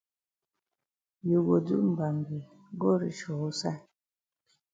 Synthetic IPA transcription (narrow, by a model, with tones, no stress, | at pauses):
ju˨ɡo˨dṵ˦ʔm̩˨ba˨mbi˨ | ɡo˦ɾḭ˨ʃɔ˨˦sa˦˨